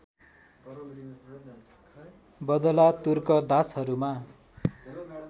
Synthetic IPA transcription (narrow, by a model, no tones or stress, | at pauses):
bʌd̪ʌlat̪urkʌd̪asɦʌɾuma